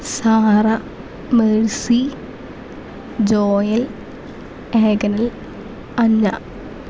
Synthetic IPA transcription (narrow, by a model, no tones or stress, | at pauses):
saːrɐ | meɻsi | d͡ʑoːjɐl | eːɡɐnɐl | ɐɲːɐ